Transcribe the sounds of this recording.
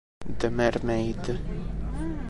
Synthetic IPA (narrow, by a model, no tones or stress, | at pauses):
d̪əmɛɾmejd̪